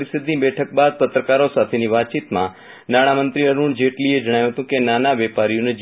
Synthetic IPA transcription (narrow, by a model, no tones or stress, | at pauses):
ɾisɪd̪nibɛʈʰək̚bad̪̚t̪ət̪ɾəkaɾosat̪ʰeniʋat̪̚t͡ʃit̪mã | naɽ̃amənt̪ɾiəɾuɳd͡ʒeʈlied͡ʒəɽajũɦət̪ũkenanaʋepaɾijoned͡ʒ